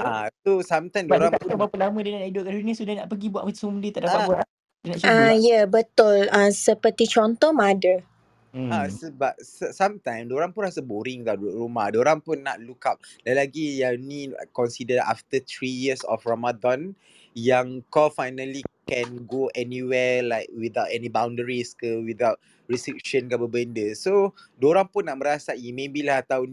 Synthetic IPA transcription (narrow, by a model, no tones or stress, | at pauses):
asosãmt̪ãjmdboɾãŋt̪uabapəlamə̃danaʔnaidoʔkadunəsudanaʔpəɡibuatʔməsummdit̪aʔdapaʔ̚buaʔa | danat͡ʃajabət̪ʊlãsəpət̪it͡ʃɔnt̪ɔmadə | asəbap̚səsãmt̪ãjmdoɾãŋpunɾasəboɾĩŋt̪aʔdʔɾumadoɾãŋpunːa̰t̪̚lukap̚lajlaɡijanikɔ̃nsidəda̰ft̪ət̪ɹijiəsɔ̰fɹamadɔ̃n | jãŋkɔfajnəlikɛ̃nɡoʔɛniwɛlaɪk̚wid̪awtɛnibãw̃ndəɹiskəwid̪awt̚ | ɹistɹik̚ʃə̃nkabəbəndəsodoɾãŋpũnːaʔ̚məɾasaʔimẽbilahat̪awn